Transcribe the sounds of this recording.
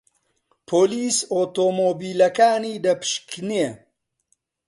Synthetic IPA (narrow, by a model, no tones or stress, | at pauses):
pʰoːliːsoːt̪omoːbiːlɐkaːniːd̪ɐpɨ̥ʃkne